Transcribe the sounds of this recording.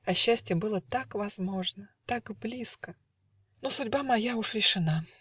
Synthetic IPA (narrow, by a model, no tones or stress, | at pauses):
ɐɕːæsʲtʲɪjəbɨlˠət̪akvɐzmo̞ʐnət̪akblʲiskə | nosʊdʲbamɐjaʊʂɾʲɪʂɨna